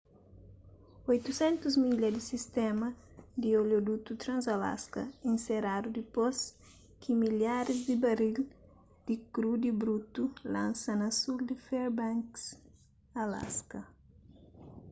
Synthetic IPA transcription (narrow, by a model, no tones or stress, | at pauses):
ojt̪usɛ̃nt̪uzmiʎɐd̪isist̪ɛmɐ | d̪ioljod̪ut̪ut̪ɾɐ̃nzɐla̰skɐĩnseɾad̪ud̪ipos | kʰimiljaɾizd̪ibɐɾil | d̪̥ikɾud̪ibɾut̪ulãnsɐnɐsuld̪ɪfɛɾbãŋks | ɐla̰skɐ